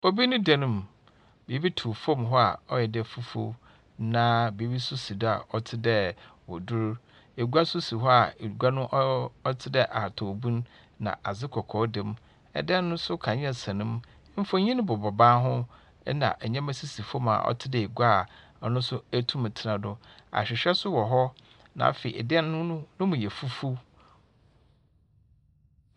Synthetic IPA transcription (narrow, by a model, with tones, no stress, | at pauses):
o˦bi˦nʊ̃˦dɛ˦nʊ̃˨m | be˨˦bi˦tʰu˨fõ˦˨mɦɔ˦a̰˨ɔ˦jɛ˨dɛ˨fu˦fo̰˦ | nã˦be˨˦bi˦sʊ˦si˨da̰˨ʔɔ˦˨tʰɪ˦dɛ˦wɔ̰˨du˦ɾ | e˨ɡu˦a˦sʊ˦si˨ɦɔ˦a˨e˨ɡu˦a˦nʊ̃˦ʔɔ˦tʰɪ˦dɛ˦ʔa˨tʰɔ˨bũ˦n | nã̰˨ʔa˨zɪ˦kʰɔ˨kʰɔː˨˦dɪ˨m | ɛ̰˨dɪ˦ɛ˦nː˦ʊ̃˦sʊ˦kʰã˨ɲ˦ɛ˨sã˨nɪ̃˦m˦ | m̩˦fõ˦ɲĩ˦ñ˦bɔ˨bɔ˨bãː˦ɦʊ̃˦ | nã̰˨ʔɛ˨ɲɛ̃˦mæ̃˦si˦si˨fo˦mã̰ː˨ʔɔ̰˦tʰɪ˦dɛ˨e˨ɡu˦a˦˨˦ | nʊ̃˦sʊ˦æ˦tʰũ˦m˨tʰɪ˨ɾã˨dʊ̃˦a̰˨ɕᶣɪ˨ɕᶣɛ˦sʊ˦wɔ˨ɦɔ˦ | nã̰˨˦fe˨ḭ˨ɛ̰˨dɪ˦ɛ˦nː˦ʊ̃˦nʊ̃˦mũ˨jɛ˨fu˦fu˦